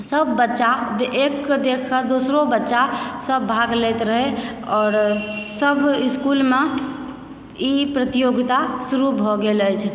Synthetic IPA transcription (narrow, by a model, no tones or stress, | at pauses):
səbːətːʃad̪ekːd̪ekʰkəd̪osɾobətːʃasəbːʱaɡlɛt̪ɾəɦeɔːɾsəbiskulme | ipɾət̪ijoɡt̪asuɾubʱɔɡeləjt͡ʃʰ